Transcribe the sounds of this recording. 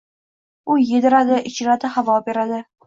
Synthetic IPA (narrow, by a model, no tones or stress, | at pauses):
ʊjed̪ɪɾad̪ɪʔɪt͡ʃɪɾad̪ɪhavɒbeɾad̪ɪ